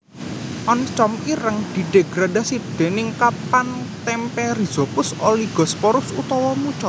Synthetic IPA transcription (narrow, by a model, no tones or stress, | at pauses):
ʔɔnt͡ʃɔmiɾəŋd̪̥i̤ɖ̪̥eɡ̥ɾadasid̪̥e̤nɪŋkapant̪ɛmpɛriz̥ɔpʊsoliɡ̥ɔ̤spɔɾʊsut̪ɔwɔmut͡ʃɔt̪